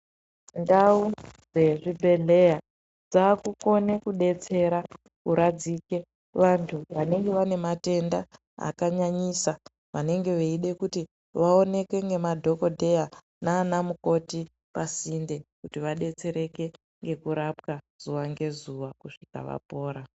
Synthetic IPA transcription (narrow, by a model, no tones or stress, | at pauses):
ndaud͡ze̞ʐibʱe̞ɮe̞ja | d͡zakuko̞ne̞kuɗe̞t͡se̞ɾa | kuɾad͡zike̞ | ʋantʰuʋane̞ŋɡe̞ʋane̞mate̞nda | a̰kaɲaɲisa | ʋane̞ŋɡe̞ʋeiɗe̞kuti | ʋao̞ne̞kwe̞ŋɡe̞madʱo̞ko̞dʱe̞ja | naːnamuko̞ti | pasinde̞kutiʋaɗe̞t͡se̞ɾe̞ke̞ | ŋɡe̞kuɾapka | z̥uʋaŋɡe̞zuʋakuʂika̰ʋa̰po̞ːɾa